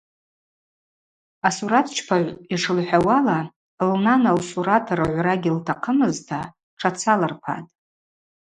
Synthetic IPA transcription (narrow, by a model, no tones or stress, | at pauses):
asuɾatʰt͡ʃʰpʰaʕʷiʂɨlħʷᶣawala | lnanalsuɾatʰaɾɨʕʷraɡʲiltʰaqʰəmɨztʰa | ʈ͡ʂʰat͡sʰalarpʰa̰tʼ